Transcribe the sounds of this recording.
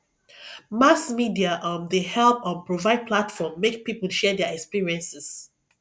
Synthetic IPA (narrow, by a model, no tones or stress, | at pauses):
masmidiaʔʌ̃mdehɛlpɔ̃npɹovaɪd̚pʰlatfɔmːek̚pipəl̩ˠʃɛdɛɛkspiɹiɛ̃nsɪs